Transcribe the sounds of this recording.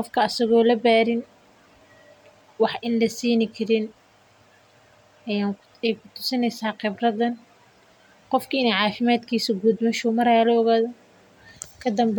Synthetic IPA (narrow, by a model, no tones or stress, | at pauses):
qɔfkʰɐɐsɐɣɔːlɐbaːɾɪn | wɑħʔɪnlɐsiːnɪkʰɐɾɪn | ja | ɛjkʰʊt̪ʰʊ̥sɪnɛjsaːqɪbrɐðɐn | qɔfkʰɐɪnɛjʕɑːfɪmaːd̪kʰiːsɐɡud̪mɐʃʊmɐɾaːlɐɔɣaːðɐ | kʰɐd̪ɐmb